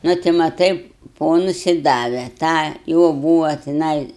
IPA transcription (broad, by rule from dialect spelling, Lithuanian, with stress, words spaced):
ˈnʊ tʲɪ mɐˈtɐɪ ˈpoːnʊs ɪ ˈdɑːʋʲɛ ˈtɑː ˈjoː ˈbuːʋɐ tʲɪˈnɐɪ